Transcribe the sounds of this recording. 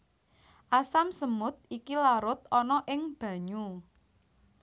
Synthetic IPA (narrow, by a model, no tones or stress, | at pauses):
ʔasamsəmʊt̪̚ikilaɾʊt̪̚ɔnɔʔɪŋb̥ä̤ɲu